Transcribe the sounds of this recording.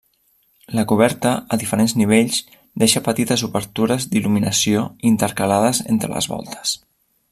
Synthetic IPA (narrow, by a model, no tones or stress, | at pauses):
ləkuβ̞ɛɾt̪əəðifəɾenzniβeʎz | d̪eʃəpət̪it̪əzuβəɾt̪uɾəzd̪iluminəsioint̪əɾkəlaðəzḛnt̪ɾə̰lə̰zβɔ̰lˠt̪ʰə̥s